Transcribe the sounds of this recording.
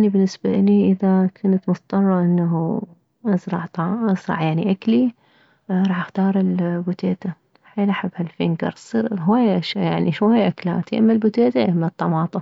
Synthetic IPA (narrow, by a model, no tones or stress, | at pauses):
ʔanibɪnːɪsbaʔɪliʔɪðakʰʊnat̪mʊθt̪ˤːɑrˤːɑʔɪnːaɦu | ʔɑsɾˤɑʕt̪ˤɑɑzɾˤɑ̰ʕjaʕniʔakli | ɾˤɑːħʔaxt̪ɑːɾˤɪlbʊt̪eːt̪a | ħeːlʔaħɪbːhalfeːnɡɑ̰ɾˤsɨɾɦwaːjːaʔaʃjaʕniʃwajːaʔakla̰ːt̪iʔɪmːalbʊt̪eːt̪aʔɪmːat̪ˤːɑmɑːt̪ˤɑ